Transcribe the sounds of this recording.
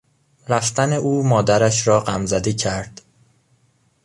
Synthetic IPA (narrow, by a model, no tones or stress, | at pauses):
ɾæft̪æne̞ʔuːmɒːd̪æɾæʃɾɒːɢæmzæd̪iːcʰæɾd̪̥